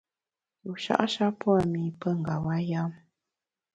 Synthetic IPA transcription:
ju˨ʃa̰˦ʔa˦ʃa˦pwa˦˨mi˨pə˦ŋ̩˨ɡa˨wa˦ja˦m

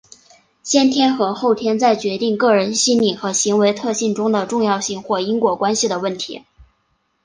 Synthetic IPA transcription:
ɕjɛ˥nt̪ʰjɛ˥nxɤ˧˥xo˥˩ʊt̪ʰjɛ˥nt͡sa˥˩ɪt͡ɕɥɛ˧˥t̪i˥˧ŋkɤ˥˩ɻə˧˥nɕi˥nni˨˩xɤ˧˥ɕi˧˥ŋwe˧˥ɪt̪ʰɤ˥˧ɕi˥˩nʈ͡ʂʊ˥ŋd̪ə˨ʈ͡ʂʊ˥˧ŋjɑ˥˧ʊɕi˥˧ŋxwɔ˥˩i˥ŋkwɔ˧˥kwa˥nɕi˨˩d̪ə˩wə˥˩nt̪ʰḭ˧˥

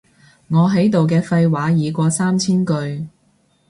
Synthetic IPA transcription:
ŋɔː˨˧ɦɐ˨˥jt̪o˨wk̬ɛː˧fɐ˧jwaː˨˥jiː˨˧kʷɔː˧saː˥mt͡sʰiː˥nkɵ˧ɥ

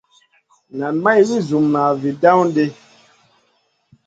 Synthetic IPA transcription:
na˨nma˦jli˦zu˨mnaː˨vi˨da˦wn˦de˦

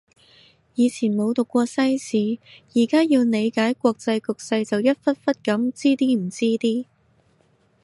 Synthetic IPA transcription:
jiː˨˧t͡sʰiː˨˩nmo˨˧wt̪ʊ˨kʷːɔː˧sɐ˥jsiː˨˥jiː˨˩kaː˥ji˧wne˨˧jkaː˨˥jkʷɔː˧k̚t͡sɐ˧jkʊ˨k̚sɐ˧jt͡sɐ˨wjɐ˥t̚fɐ˥t̚fɐ˥t̚kɐ˨˥mt͡siː˥t̪iː˥m̩˨˩t͡siː˥t̪iː˥

